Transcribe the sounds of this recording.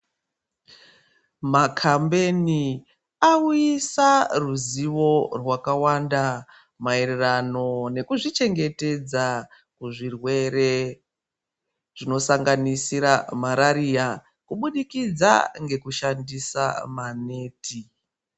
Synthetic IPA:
makʰambe̞ni | auisaruziʋo̞rwakawanda | maererano̞ne̞kuʐit͡ʃe̞ŋɡe̞te̞d͡za | kuʐirwe̞ɾe̞ | ʐ̥ino̞saŋɡanisiɾamaɾaɾija | kuɓuɗikid͡za̰ŋɡe̞kuʃandisa̰mane̞ːti

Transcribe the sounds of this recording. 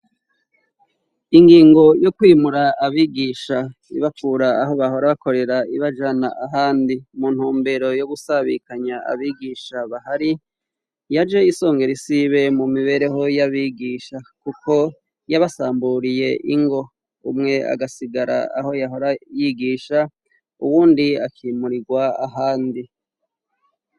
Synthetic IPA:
iŋɡiːŋɡo̞jo̞kwiːmuɾaːβiːɡiːʃa | ḭβafuːɾaːɦo̞βaho̞ɾaβako̞ɾe̞ɾaiβad͡ʒanaʔaɦaːndimun̥huːmbe̞ɾo̞jo̞ɡusaβḭkaɲaa̰βiːɡiːʃaβahaɾi | jad͡ʒe̞iso̞ːŋɡe̞ɾisiβe̞mumiβe̞ɾe̞ɦo̞jaβiɡiːʃakukʰo̞ | jaβasaːmbuɾije̞ʔiŋɡo̞ | umŋe̞a̰ɡasiɡaɾa̰a̰ho̞jaɦo̞ɾajiɡiːʃa | ṵwuːndiakʰiːmuɾiɡwaaɦaːndi

